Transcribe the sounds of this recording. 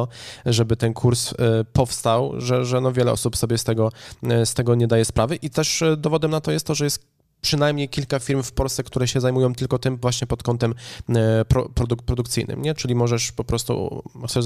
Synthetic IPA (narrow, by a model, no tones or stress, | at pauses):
ɔʐɛbɘt̪ɛnkʰuɾspɔfst̪awʐɛʐɛnɔvʲjɛlɛ̰ɔ̰supsɔbʲjɛst̪ɛɡɔst̪ɛɡɔɲɛd̪ajɛspɾʔavɘʔit̪ɛʂd̪ɔvɔd̪ɛmnat̪ɔjɛst̪t̪ːɔʐɛjɛst̪ | pʂɘnajmɲejkʲilkafʲiɾmfpɔlst̪ɛkt̪uɾɛɕɛzajmujɔ̃w̃t̪ɘlkɔt̪ɘmvwaɕɲɛpɔt̪kɔnt̪ɛm | pɾɔpɾɔd̪upɾɔd̪ukt̪sɘjnɘ̰mɲɛt͡ʂɘlʲimɔʐɛʂpɔpɾɔst̪ṵxt̪sɛ